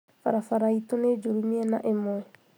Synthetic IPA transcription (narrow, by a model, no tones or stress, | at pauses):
fa̰ɾafaɾaitoned͡ʒoɾiniɛnaʔemoɛ